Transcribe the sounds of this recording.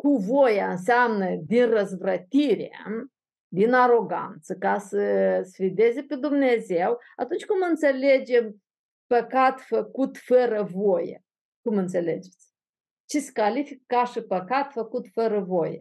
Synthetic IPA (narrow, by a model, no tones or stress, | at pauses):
kuvojaɨns̬eamnəd̪inrəzvɾət̪iɾḛ | d̪inaɾo̞ɡa̰nt̪səkasəsfid̪e̞zeped̪umne̞zew | at̪unt͡ʃʲkumɨnt̪se̞le̞d͡ʒe̞m | pəkat̪fəkut̪fəɾəvojḛ | kumɨnt̪se̞le̞d͡ʒe̞̥t̪sʲ | t͡ʃeskalifikkaʃɨpəkat̪fəkut̪fəɾəvojḛ